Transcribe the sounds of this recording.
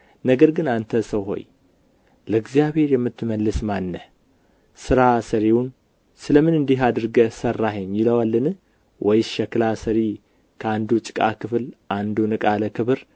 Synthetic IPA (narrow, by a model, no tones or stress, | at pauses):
nəɡəɾɡɨnant̪ʰəsəwɦo̞̰j | ləɨɡzjaβhe̞ɾjɛmːɨt̪ːɨməlːɨsmanːə | sɨɾasəɾiwun | sɨləmɨnɨnd̪iɦad̪ɨɾɡəsərːaɦeɲjɪləwalːɨnɨ | wʔɔjʃɛklasəɾi | kʰəand̪ut͡ʃʼɪ̥kʼa̰kɨfɨlʔand̪unɨkʼaləkʰɨβɨɾ